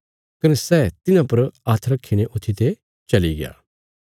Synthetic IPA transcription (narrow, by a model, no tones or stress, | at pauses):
kɐnɛsɛːt̪ɪnãpɐɾaːt̪ʰɾɐkʰːiɽ̃eʔʊt̪ʰːit̪e | t͡ʃɐliɡɪ̰ja̰ː